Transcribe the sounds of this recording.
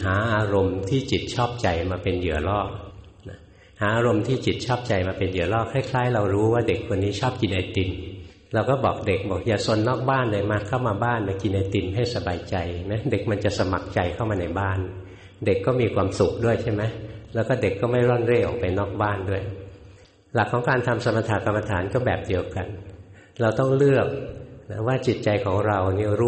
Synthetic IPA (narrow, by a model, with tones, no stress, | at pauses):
ɦaː˩˦ʔaː˧ɾo˧mt̪ʰiː˥˩t͡ɕi˨˩t̪̚t͡ɕʰɔː˥˩p̚t͡ɕa˧jmaː˧pe˧njɯ˨˩˦ɐlɔː˥˩ | na˦˥ | haː˩˦ʔaː˧ɾo˧mt̪ʰiː˥˩t͡ɕi˨˩t̪̚t͡ɕʰɔː˥˩p̚t͡ɕa˧jmaː˧pe˧njɯ˨˩˦ɐlɔː˥˩kʰaː˥˩jkʰlaː˦˥jɾa˧wɾuː˦˥waː˥˩de˨˩kʰːo˧nːiː˦˥t͡ɕʰɔː˥˩p̚ki˧nʔa˧jt̪i˧n | ɾa˧wkɔː˥˩bɔː˨˩k̚de˨˩k̚bɔː˨˩k̚jaː˨˩so˧nːɔː˥˩k̚baː˥˩nda˧˩jmaː˧kʰa˥˩wmaː˧baː˥˩nmaː˧ki˧nʔa˧jt̪i˧nɦa˥˩jsa˧baː˧jt͡ɕa˧jma˦˥jde˨˩k̚ma˧nt͡ɕa˨˩sa˧ma˨˩k̚t͡ɕa˧jkʰa˥˩wmaː˧na˧jbaː˥˩n | de˨˩kːɔː˥˩miː˧kʰwaː˧msu˨˩k̚du˥˩əjt͡ɕʰa˥˩jma˦˥jlɛ˦˥wkɔː˥˩de˨˩kːɔː˥˩ma˥˩jɾɔ˥˩nɾeː˥˩ʔɔ̰˨˩pa˧jnɔː˥˩k̚baː˥˩ndu˥˩əj | la˨˩kʰːɔː˩˦ŋkaː˧nt̪ʰa˧msa˧ma˧t̪ʰaː˧˩ka˧mːa˧t̪ʰa̰ː˩˦nkɔː˥˩bɛ̰ː˨˩p̚di˧əwka˧n | ɾa˧wt̪ɔ˥˩ŋlɯ˥˩ək̚na˦˥waː˥˩t͡ɕi˨˩t̪̚t͡ɕa˧jkʰɔː˩˦ŋɾa˧wni˦˥˩ɾu˥